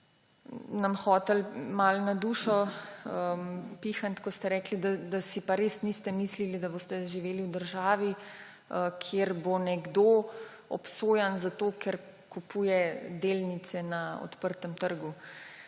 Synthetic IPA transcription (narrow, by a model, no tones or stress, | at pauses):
namxɔːt̪ɛlmalnad̪uːʃɔəmpixant̪kɔst̪ɛɾɛːklid̪ad̪asipaɾesnist̪ɛmislilid̪aboːst̪ɛʒiʋeːliwd̪əɾʒaːʋi | əkʰjeɾbonɛɡd̪o | ɔ̰psoːjanzat̪oːkʰɛɾ | kupuːjɛd̪elnit̪sɛnaɔ̰t̪pəɾt̪əmt̪əɾɡu